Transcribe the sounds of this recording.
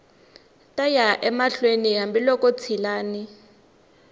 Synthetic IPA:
tʼajaʔɛmaɬweniɦambilɔkʼot͡sʰilaːni

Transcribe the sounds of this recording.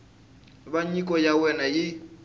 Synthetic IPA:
baɲikʼɔjawɛnajɪ

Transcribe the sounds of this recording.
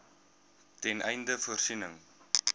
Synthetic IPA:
tɛnʔɛjndəfuərsinəŋ

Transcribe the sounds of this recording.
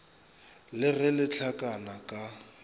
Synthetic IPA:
lɪɣɛlɪt͡ɬʰakʼanakʼa

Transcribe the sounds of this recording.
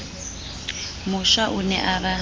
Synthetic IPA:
mʊʃaʔunɛ̰ʔaβa

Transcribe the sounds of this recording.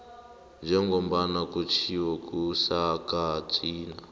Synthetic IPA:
d͡ʒaɛŋɡɔmbanakut͡ʃʰiwɔkʼusakat͡siːna

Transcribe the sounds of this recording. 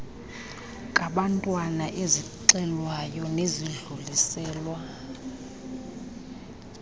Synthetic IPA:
kʼaɓantʼwanaʔeziǀɛlwajɔneziɮulisɛːlwa

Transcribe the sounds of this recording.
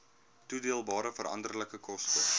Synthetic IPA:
tudiəlˠbɑːɾəfəɾɐ̰ndərləkəkɔstə

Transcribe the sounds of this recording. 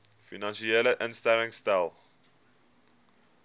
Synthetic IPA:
finɑ̃nʃieləʔənstɛɾɪŋstalˠ

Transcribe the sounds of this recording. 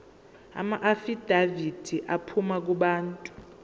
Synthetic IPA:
a̰maʔafid̥ʱavid̥ʱiʔapʰumak̬uɓaːntʼu̥

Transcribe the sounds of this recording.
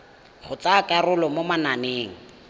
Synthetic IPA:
χʊt͡sakʼarʊlɔmomananeːŋ̩

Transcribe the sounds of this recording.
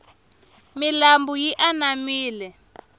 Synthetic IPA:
milambujiʔanamiːlɛ

